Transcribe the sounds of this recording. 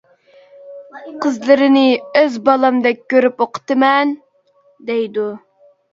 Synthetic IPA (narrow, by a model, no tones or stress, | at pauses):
qʰəzlɨɾɪnɪøzbɑlˠɑmd̪ɛk̚ʲːøɾypoqʰə̥t̪ɨmɛn | d̪ɛjd̪u